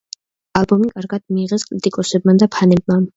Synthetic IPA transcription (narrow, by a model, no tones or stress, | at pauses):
alˠbɔmikʼaɾɡad̪̥miːʁɛskʼɾit̪ʼikʼɔsɛbmad̪apʰanɛb̚man